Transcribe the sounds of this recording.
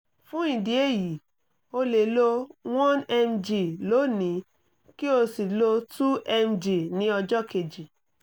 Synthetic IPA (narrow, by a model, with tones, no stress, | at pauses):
fũ˦ĩ˨di˨˦e˦˨ji˨ | o˧le˨lo˧w̃ɔ̃˦nɛ˧md͡ʒi˨lo˨˦nĩ˨˦ | ki˦o˧si˨lo˧tu˦ɛ˧m˨d͡ʒi˨nĩ˧˦ɔ˧d͡ʒɔ˦ke˨d͡ʒi˨